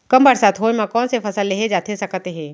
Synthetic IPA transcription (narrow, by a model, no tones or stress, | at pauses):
kɐmbəɾsaːt̪ʰɦoːimãkɔ̃ːnsepʰɐsəlːeɦed͡ʒaːt̪esɐkt̪eɦɛ̃ː